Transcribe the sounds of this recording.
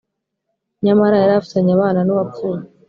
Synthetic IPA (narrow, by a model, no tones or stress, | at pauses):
ɲamaɾajaɾafi̥taɲaβaːnanuβapfuːne